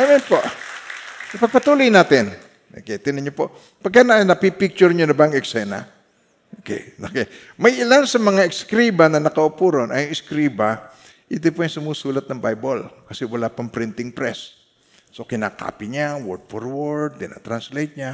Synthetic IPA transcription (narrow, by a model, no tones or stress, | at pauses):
amɛnpoʔ | pɐɡ̚pɐt̪uːlʊjnaːt̪ɪn | ʔo̰kɛjt̪ɪnɐɲopoʔ | pɐɡ̚kːananɐpipɪk̚t͡ʃʊɾɲonɐbaːŋɛksɛna̰ | okɛ̰jokɛj | mɐjʔɪlansɐmɐŋaʔɪkskɾibanɐnɐkɐʔʊpuːɾonʔɐjʊŋɪskɾiːba | ʔɪt̪opoʔaŋsʊmuːsuːlɐt̪̚nɐŋbajbolkɐsɛwɐlapɐŋpɾɪnt̪ɪŋpɾɛsː | okɪnaka̰ːpɪɲawɔɹd̪̚foɹwoɹd̪̚kɪna̰t̪ɾanslejt̪̚ɲa